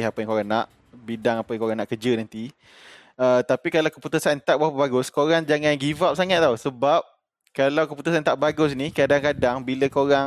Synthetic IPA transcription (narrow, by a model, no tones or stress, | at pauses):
ɦapəjaŋkoɾaŋnaʔ | bidaŋapəjaŋkoɾaŋnaʔkəd͡ʒənant̪i | ət̪apikalawkəput̪usant̪aʔbawpabaɡʊskoɾaŋd͡ʒaŋãnɡivap̚saŋaʔ̚t̪awsəbap̚ | kalawkəput̪usant̪aʔbaɡʊs̬nikadaŋkadaŋbiləkoɾaŋ